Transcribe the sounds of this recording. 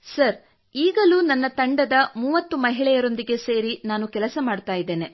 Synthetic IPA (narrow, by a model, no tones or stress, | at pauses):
sɐɾ | iːɡɐluːnɐnːɐt̪ɐɳɖɐd̪ɐmuːʋɐt̪ːumɐɦiɭɛjɐɾo̞nd̪iɡe̞se̞ːɾinaːnukɛlɐsɐmaːɖt̪aːjid̪ːeːne̞